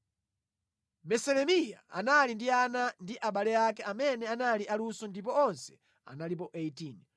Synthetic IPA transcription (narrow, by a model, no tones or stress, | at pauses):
mɛsɛlɛmijaa̰nalindianandiʔaɓalɛjakɛamɛnɛanaliʔalusɔndip̬ɔɔnsɛ̥ | a̰nalip̬ɔʔeitin